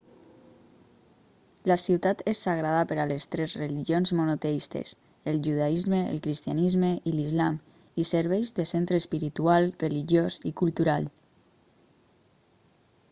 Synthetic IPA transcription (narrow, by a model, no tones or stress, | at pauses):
lasiwt̪at̪esːaɣɾaðapəɾalest̪ɾezrəliʒionzmunot̪eist̪ḛs | əlʒuðaizməə̰lˠkɾist̪ianizməʔilizlam | isəɾβɛjzðəsent̪ɾəːspiɾit̪ualˠrəliʒjozikulˠt̪uɾalˠ